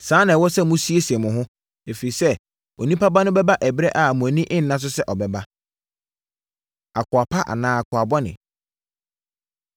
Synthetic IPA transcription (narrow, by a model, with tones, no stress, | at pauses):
sãː˦nã˨wɔ˦sɛ˦mʊ̃˦si˦e˦sɛ̃˨mʊ̃˨ɦʊ̃˦ | e˨fe˨i˨sɛ˦˨ | o˨nĩ˦pʰa˦ba˦nʊ̃˦bɛ˦ba˦ʔɛ˨bɪ˦ɾɛ˦ʔa˨mʊ̃˨æ˨nĩ˦ʔɪ̃˦n̩˨˦nã˦s̬ʊ˦sɛ˦ʔɔ˨bɛ˨ba˦ | a˨kʰʊ˨a˨pʰa˦ʔa̰˨nãː˦˨a˨kʰʊ˨a˨bɔ˦nɪ̰̃˨